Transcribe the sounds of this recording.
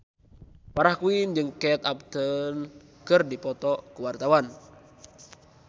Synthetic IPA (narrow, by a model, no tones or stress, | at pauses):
paɾahkuind͡ʒɨŋkɛt̪ap̚t̪ənkərdipɔt̪ɔkuwart̪awan